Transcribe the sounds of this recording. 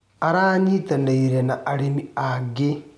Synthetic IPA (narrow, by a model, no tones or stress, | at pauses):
aɾaːɲitandaiɾenaʔaɾimiaɡe